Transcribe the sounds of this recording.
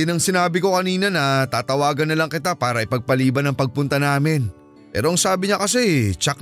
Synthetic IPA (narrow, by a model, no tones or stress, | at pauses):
ɪnɐŋsɪnaːbɪko̞kɐniːnɐnɐt̪aːt̪ɐwaːɡɐnːɐlɐŋkɪt̪apaːɾɐʔɪpɐɡ̚pɐliːbɐnɐŋpɐɡ̚pʊnt̪ɐnaːmɪn | pɛ̰ːɾo̞ʔɐŋsaːbɪɲɐkɐsɛt͡ʃɐk